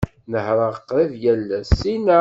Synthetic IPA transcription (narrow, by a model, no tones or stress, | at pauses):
nəhɾˤəʁəqɾˤivjælːæsːinæ